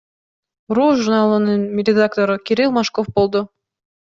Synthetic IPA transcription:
ruʒurnalˠɯnɯnɾʲɪd̪akt̪oɾɯkʲiɾʲilˠmaʃkofbolˠd̪ʊ

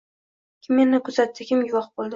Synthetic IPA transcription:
kʲʰɪmːe̞nːɪkʰʊzat̪ʰːɪkʲɪmjʊvɒχbolˠd̪ɪ

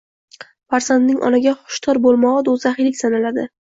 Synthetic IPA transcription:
faɾzand̪nɪŋʔɒ̰naɡʲaχʊ̥ʃt̪ʰɒɾbolˠmɒʁad̪ozaχɪlɪkʲsanalad̪ɪ

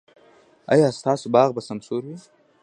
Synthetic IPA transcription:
a̰jɑːst̪ɑːsobɑːɣbasɐmsuɾwi

